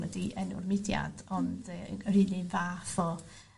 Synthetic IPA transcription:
nədiʔɛnʊ̰rmɪdja̰dɔndəriːlˠivaːθɔ

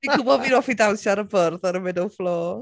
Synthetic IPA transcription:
ikʰʊbɔvinɔfidalˠsjaɾəbərðɔɾəmɪdɔwflˠoː

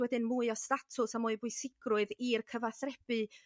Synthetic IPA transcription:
wɛdɪnmuːɨɔstatʰʊsamʊːɨbʊɨsɪɡ̥rʊɨðirkʰəvaθrɛb̥ɨ

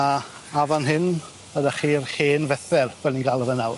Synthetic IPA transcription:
a | avanɦɪn | v̥ədaχiːrheːnvɛθɛrv̥ɛlninɡalˠəvənaw

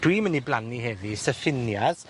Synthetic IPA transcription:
d̥wiməniblaniɦɛvisɛfɪnjað

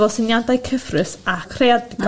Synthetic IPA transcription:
ɔsɪnjandajkʰəfrɨsakʰrejadɡ

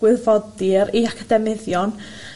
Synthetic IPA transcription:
wɪðvɔdɪɾiakʰadɛmɪðjɔn

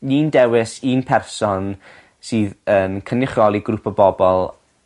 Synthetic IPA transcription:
niːndɛwɪsiːnpʰɛrsɔn | siːðənkʰənɪχrɔlˠiɡrupʰɔbɔbɔlˠ

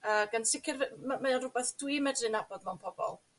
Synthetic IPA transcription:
əːɡansɪkʰɪrvmamɛanrʊbɛθd̥wimɛdrɨnabɔdmɛwnpʰɔbɔ̰lˠ

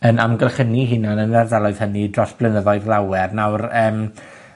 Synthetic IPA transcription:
ənamɡɛlˠχəniɦɪnanənɛrðɛlˠɔɨð̥hənidrɔsb̥lənəðɔɨðlˠawɛrnawrəːm

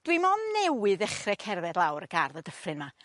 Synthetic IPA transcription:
d̥wimɔnnɛwɨðɛχrɛkʰɛrvɛdlˠawɾəɡ̥arðədəfrɨnma

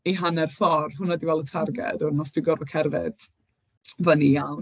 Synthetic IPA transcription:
iɦanɛrfɔrvhʊnadivɛlˠətʰarɡɛ̰dɔnɔsd̥wiɡɔrvɔkʰɛrvɪ̰d̥ | vənijaw

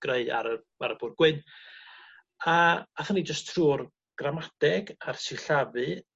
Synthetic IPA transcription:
ɡ̥reɨa̰ɾə | aɾəb̥ʊrɡ̥wɪn | aaθənid͡ʒəstʰruːr | ɡ̥ramadɛɡarsɪɬavɨ

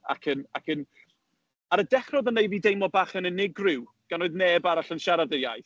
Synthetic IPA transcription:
a̰kʰəna̰kʰən | aɾədɛχrɔðənːejviːdejmɔbaːχənənɪɡrɪw | ɡ̥anoːɨðneːbaɾaɬənʃaɾadəjajθ

